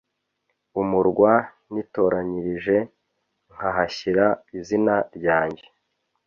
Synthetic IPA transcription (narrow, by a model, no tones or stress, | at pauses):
umuɾɡwa | nito̞ːɾaɲiɾiʒe̞ | ŋ̥haɦaçiɾaizinaɾɟaːɲɟe̞